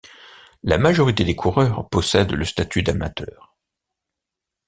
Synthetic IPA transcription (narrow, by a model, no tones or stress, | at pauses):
lamaʒɔʁit̪ed̪ekʰuʁœʁpɔsɛd̪ləst̪at̪ʰyd̪ama̰t̪œːʁ